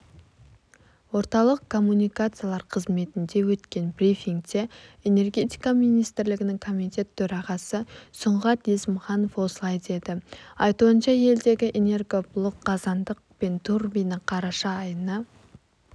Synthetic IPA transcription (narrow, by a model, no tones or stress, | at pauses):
wo̞ɾt̪ɑlˠəq̚kʰːo̞mːunijkat̪sɨjalˠɑɾqʰəzme̞t̪ɪnd̪e̞wɵt̪kʲe̞nbrʲifʲiŋkt̪e̞ene̞rɡʲe̞t̪ʲijkaminijst̪ɪɾlɪɡʲɪnɪŋkʰo̞mit̪ʲe̞t̪ʰːɵɾɑʁɑsəsʊɴʁɑt̪esmχɑno̞fwo̞səlˠɑjd̪e̞d̪ɪɑjt̪uənʃɑje̞ld̪e̞ɡʲɪʔene̞rɡo̞bʊlˠoqːɑzɑnd̪əqpe̞nt̪ʰurbijnɪqʰɑɾɑʃɑːjənə